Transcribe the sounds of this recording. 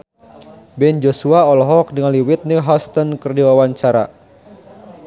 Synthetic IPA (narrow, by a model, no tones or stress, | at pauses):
bɛnd͡ʒosuaɔlɔɦɔk̚dəŋanliwit̪̚niɦast̪ɔnkərdiwawaɲt͡ʃaɾa̰